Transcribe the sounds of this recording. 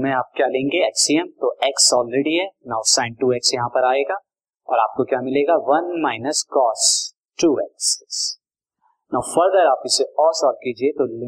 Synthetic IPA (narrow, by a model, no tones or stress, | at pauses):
mẽaːp̚kjaːlẽːŋɡeɛːksiɛmt̪oʔɛksɔːlɾɛɖiɦɛnãːʊsãːɪ̃ɳɖ̚ʈuːɛksjɐɦãpɐɾaːeːɡaː | ɔːɾaːp̚kokjaːmɪleːɡaʋɐnmaːɪnəskɔːs | ʈuːɛkss | naːʊfɐɾd̪əɾaːpɪseɔːɾsɔːf̚kiːd͡ʒiet̪ol̃